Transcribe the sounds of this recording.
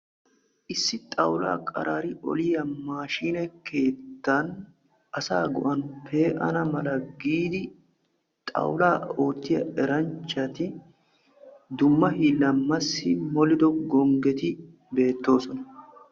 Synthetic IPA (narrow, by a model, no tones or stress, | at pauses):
ʔɪsːɪt̪ʼɐwla̰ːkʼɐ̰ɾʔaːɾɪʔɔ̰lɪjɐmaːʃiːnɛke̞ːt̪ːɐn | ʔɐsaːɡʊ̰ʔɐnpʰe̞ːʔɐ̰nɐmɐlɐɡiːd̪ɪ | t̪ʼɐ̰wlaːo̞ːt̪ːɪjɐ̰ɛɾɐnt͡ʃːɐt̪ɪ | d̪ʊmːɐhiːlɐmːɐsːɪmɔlɪd̪ɔɡɔŋɡɛt̪ɪ | be̞ːt̪ːo̞ːsɔnɐ